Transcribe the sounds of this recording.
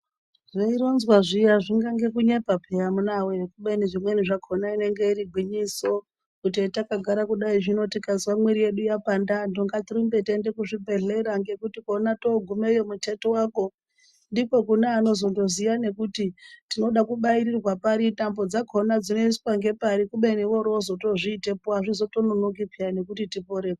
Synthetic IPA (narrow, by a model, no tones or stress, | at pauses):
ʐeiɾo̞nzwaʐijaʐiŋɡaŋɡe̞kuɲepapʰejamunawekuɓeniʐimwe̞niʐakʰo̞naine̞ŋɡe̞iɾiɡʱwiɲiso̞ | kut̬itakaɡʱaɾakuɗaiʐino̞tikazwamwiɾije̞ɗujapandandoŋɡatirumbe̞tende̞kuʐibʱe̞ɮe̞ɾaŋɡe̞kutikonato̞ɡʱumejomute̞towaːko̞ | ndiko̞kuneano̞zo̞ndo̞zijane̞kutitino̞ɗakuɓairirwapaɾitambo̞d͡zakʰo̞nad͡zino̞is̬waŋɡe̞paɾikuɓe̞niʋo̞ɾozo̞to̞ʐiːte̞poaʐizo̞to̞nonokipʰiane̞kutitipo̞ɾe̞ːka